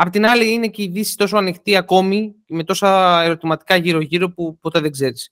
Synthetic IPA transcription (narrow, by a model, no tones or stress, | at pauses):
ɐpot̪inɐliine̞ce̞iðisi̥st̪o̞s̬o̞ɐnixt̪iɐko̞mime̞t̪o̞sɐeɾo̞t̪imɐt̪i̥kɐʝiɾo̞ʝiɾo̞pupo̞t̪e̞ðe̞ɡze̞ɾis